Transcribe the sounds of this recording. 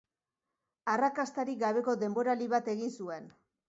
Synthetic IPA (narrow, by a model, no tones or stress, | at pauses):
arakast̪aɾiɡaβ̞e̞ko̞d̪e̞mbo̞ɾaliβat̪e̞ɣinsue̞n